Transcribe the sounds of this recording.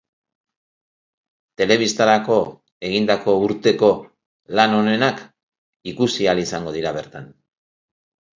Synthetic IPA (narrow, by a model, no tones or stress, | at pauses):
t̪e̞le̞β̞ist̪aɾako̞ | e̞ɣ̞ind̪ako̞uɾt̪e̞ko̞ | lano̞ne̞nak | ikusialisaŋɡo̞ð̞iɾaβ̞e̞ɾt̪an